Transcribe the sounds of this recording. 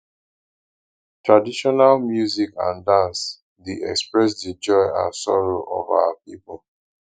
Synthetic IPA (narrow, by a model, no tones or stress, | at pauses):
tɹadiʃɔnalmjuzikã̰ndãns | deʔɛkspɹɛs̬did͡ʒɔɪã̰sɔɹoʔɔ̰va̰wapipol